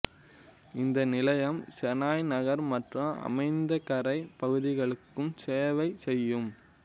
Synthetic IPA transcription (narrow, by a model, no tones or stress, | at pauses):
ɪnd̪ɐnɪlɐjɐmsɛnaːjnɐɣɐɾmɐʈrɐ̃ʔɐ̰mɐɪnd̪ɐkɐɾɐɪpɐɣɯðɪɣɐɭɯkːɯmseːʋɐɪsɛjːɯm